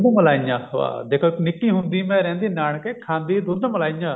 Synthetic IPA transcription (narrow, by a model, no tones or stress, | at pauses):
d̪əməlaːjãːa̰ːd̪eːkʰoɪknɪkːiːɦʊ̃nd̪iːmɛ̃ːɾɛ̃ːnd̪iːnaːɳkekʰãːnd̪iːd̪ʊɾd̪əməlaːijãː